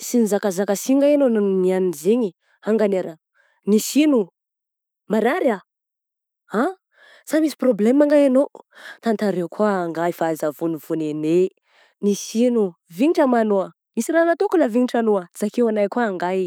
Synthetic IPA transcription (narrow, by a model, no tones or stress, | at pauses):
sinizakazakasiŋɡaenonannianinziɲi | aŋɡaneɾə | nisinu | maɾaɾa | a | samisi̥problemaŋɡajanot̪ant̪aɾewkʰuaːŋɡaifazavuniv̥unene | nisinuviɲiʈ͡ʂəmanoa | misiɾanat̪okulaviɲiʈ͡ʂanoaz̥akewanajkuaːŋɡaj